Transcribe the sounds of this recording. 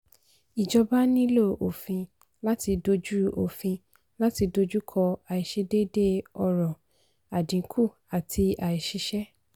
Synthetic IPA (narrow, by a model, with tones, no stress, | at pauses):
i˨d͡ʒɔ˧ba˦nĩ˦lo˦˨o˨fĩ˧ | la˦ti˧do˧d͡ʒu˦o̰˨fĩ˧ | la˦ti˧do˧d͡ʒu˦kʰɔ˧a˨i˨ʃe˧de˦de˦ɔ˧ɾɔ̃˨ | a˨dĩ˨˦kʰu˦˨ | a˨tʰi˧a˨i˨ʃi˧ʃɛ˦